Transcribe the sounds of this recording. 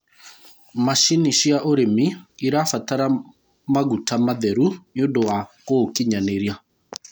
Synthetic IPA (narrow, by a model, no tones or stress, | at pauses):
maʃiniʃiaʔoɾemiiɾafataɾa | maɣutamaðɛɾunondowakokiɲaneɾia